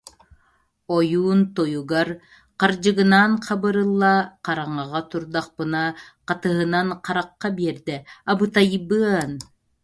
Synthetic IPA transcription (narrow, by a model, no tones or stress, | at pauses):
ɔjuːnt̪ɔjuɡaɾ | qaɾd͡ʑɯɡɯnaːnqʰabɯɾɯlˠːaqɑɾaɴaʁat̪uɾd̪aq̚pɯnaqɑt̪ɯɦɯnanqɑɾaqːabiɛɾd̪ɛabɯt̪ajbɯn